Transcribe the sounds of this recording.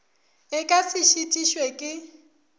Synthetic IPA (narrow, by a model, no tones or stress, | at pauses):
ɪkʼasɪʃitʼiʃwekʼɪ